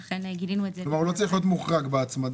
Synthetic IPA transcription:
eɡidinuelomaʁulo̞t͡saʁiχlijo̞t̪muχʁaɡbeat͡smad

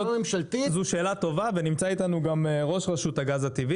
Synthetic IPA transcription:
memʃalt̪izuʃe̞ːlat̪o̞vavenimt͡sait̪anuɡamʁo̞ʃʁaʃut̪haɡazat̪ivi

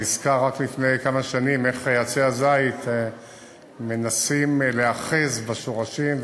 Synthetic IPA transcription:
izkaʁaklifnejkamaʃanime̞χjat͡seazait̪ | me̞nasimleaχezbaʃoʁaʃim

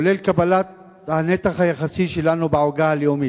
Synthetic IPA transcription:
olelkabalat̪̚ | hanetaχhajaχasiʃe̞lanubaoɡaaljomi

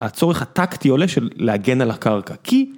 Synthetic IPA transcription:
at͡so̞eχhat̪aktioleʃeːeaɡe̞nalakaʁkakʰi

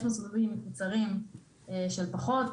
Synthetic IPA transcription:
ʃmasovevimekut͡saʁim | eʃelpaχo̞t̪

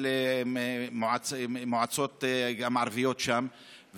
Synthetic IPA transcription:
le | moʕat͡smoʕat͡sot̪ɡamʕaɾvijot̪ʃam | v

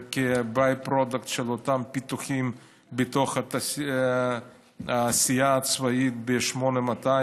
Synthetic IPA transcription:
kebajpɾod̪akt̪ʃelot̪ampit̪uχim | bet̪o̞χata | aːsijaːt͡svait̪̚beʃmonemat̪a

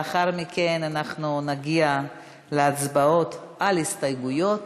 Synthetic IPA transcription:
aχaʁmike̞nanaχnunaɡia | leat͡sbao̞t̪ʔalhistajɡujo̞t

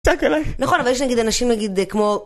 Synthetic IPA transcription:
sakelajnaχo̞navaljeʃnaɡid̪anaʃimnaɡid̪kmo

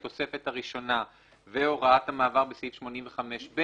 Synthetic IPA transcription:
t̪o̞se̞fe̞thaʁiʃo̞na | veo̞ʁaathamaːvaʁbesifʃmo̞nimɱveχame̞ʃbe

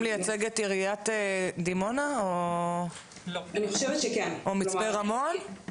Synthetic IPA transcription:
lejat͡seɡetiʁijatedimo̞nao | laniχoʃevɛtʃekenʔomit͡speʁamo̞n

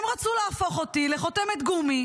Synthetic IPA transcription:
mʁat͡suleafo̞χo̞t̪ileχo̞t̪emet̪ɡumi

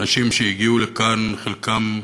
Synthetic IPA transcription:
naʃimʃeiɡiulekanχelkʰam

